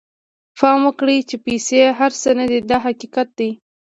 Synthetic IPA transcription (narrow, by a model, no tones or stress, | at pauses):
fɑmwəkɽit͡ʃepeseɦaɾsənad̪id̪ɑɦaqiqat̪̚d̪ij